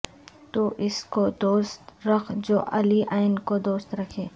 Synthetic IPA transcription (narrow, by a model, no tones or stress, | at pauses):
t̪uʔɪskod̪oːst̪ɾɐkʰd͡ʒoːʔɐliʔaːɪnkod̪oːst̪ɾɐkʰeː